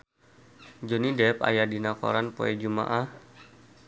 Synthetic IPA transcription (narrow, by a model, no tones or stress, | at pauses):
d͡ʒonidɛpa̰jadinako̰ɾanpo̰ɛd͡ʒuma̰ʔah